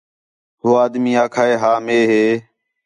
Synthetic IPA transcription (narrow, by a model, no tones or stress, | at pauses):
ɦoːaːd̪miːaːkʰaːeːɦaːmeːɦeː